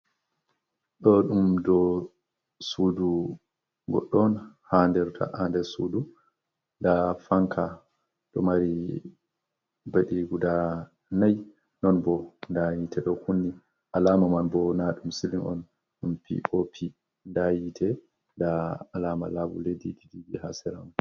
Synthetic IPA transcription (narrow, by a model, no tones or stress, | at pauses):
ɗɔɗumdɔ | suːdu | ɡɔ̰ɗːɔnhandɛɾtʰa̰ʔandɛsudu | ndafaŋkʰa | ɗɔmaɾi | baɗiɡuda | naj | nɔnbɔndajitʰɛɗɔhunːi | ʔalaːmamanbɔnaɗumsilinɔ̰n | ɗumpʰḭopʰi | ndajitʰɛ | ndaːlaːma̰labṵledididiɡihasɛɾa̰m